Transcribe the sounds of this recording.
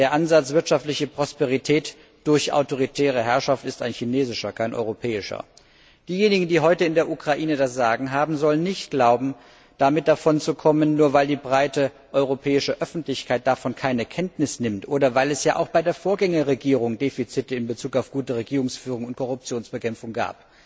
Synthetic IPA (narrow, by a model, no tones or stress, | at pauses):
d̥eːɐʔanzat͡sv̥ɪɐtʃaftlɪçəpʁ̥ɔspeʁ̞itʰɛːt | d̥ʊɐçʔa̰ʊtoʁ̞itʰɛːʁ̞əɦɛɐʃaftɪstaɪnçineːzɪʃɐkʰaɪnʔɔ̰ʏʁopʰɛːɪʃɐ̰ | d̥iːjeːnɪɡŋ̩diːɦɔʏtəɪndeːɐʔukʁ̥aʔiːnədasz̥aːɡŋ̩ɦaːbm̩zɔlənːɪçtɡ̥laʊbm̩ | d̥amɪt̚d̥afɔnt͡sukʰɔmənːuːɐvaɪldiːbʁaɪtə | ʔɔʏʁopʰɛːɪʃəʔœfn̩tlɪçkʰaɪt̚d̥afɔnkʰaɪnəkʰɛntnɪsnɪmtʔoːdɐvaɪlɛsjaːʔa̰ʊxb̥aɪdeːɐfoːɐɡɛŋɐʁeɡiːʁ̞ʊŋdeːfit͡sɪtəɪnbət͡suːkaʊfɡ̥uːtəʁeɡiːʁʊŋsfyːʁʊŋʊnt̚kʰɔʁʊp̚t͡sjoːnsb̥əkʰɛmp͡fʊŋɡa̰ːp̚